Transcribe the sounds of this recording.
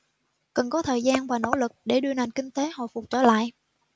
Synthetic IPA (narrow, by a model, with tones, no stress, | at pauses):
kə˨˩nkɔ˨˦t̪ʰəː˨˩jzaː˧nvaː˨˩no̰˧˥lɨ˨˩k̚ɗe˧˩ɗɨ˧əna˨˩jŋkï˧ŋ̟t̪e˨˦hɔ̰˧˨jfʊ˨˩k͡p̚t͡ɕəː˧˩la̰ː˧˨jʔ